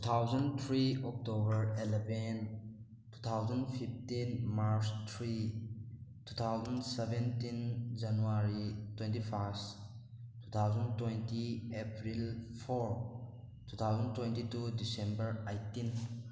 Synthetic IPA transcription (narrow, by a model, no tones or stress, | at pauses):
tu̥t̪ʰawzɐnt̪ʰɾiɔk̚tobəɾeleben | tu̥t̪ʰawzɐnpʰip̚tinmaɾst̪ʰɾi | tut̪ʰawzansebentind͡ʒanuaɾitwentipʰast | tːut̪ʰawzɐntwentiepɾilpʰɔɾ | tʰut̪ʰawzɐntwentitudisẽmbəɾajtin